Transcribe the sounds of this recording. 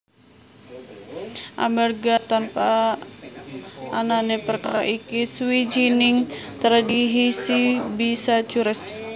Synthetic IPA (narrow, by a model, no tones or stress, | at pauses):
ʔa̰mɛrɡat̪anpa | nanɛpərkaɾa̰ʔikiswid͡ʒiniŋt̪əɾadiɦisibisat͡ʃuɾɛs